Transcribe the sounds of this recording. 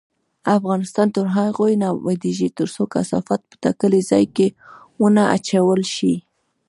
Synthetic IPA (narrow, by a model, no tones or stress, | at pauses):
afɣɑnɪst̪ɑnt̪əɾɦaɣojnɑwad̪iʒit̪əɾsoka̰sa̰fat̪̚pə̥t̪akəlizɑ̰jke | wənaʔa̰t͡ʃawəlʃi